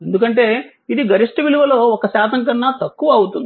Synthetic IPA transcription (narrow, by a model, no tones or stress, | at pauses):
e̞nd̪ukɐɳʈe̞ː | id̪iɡɐɾiʂʈɐʋiluʋɐloːɔkɐsaːt̪ʰɐŋk̬ɐnːaːt̪ɐkːuʋɐːwut̪und̪i